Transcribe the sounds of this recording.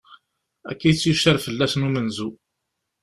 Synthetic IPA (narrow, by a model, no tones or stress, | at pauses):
æ̰kːijt͡sːjuʃəɾfəlːæsnumənzu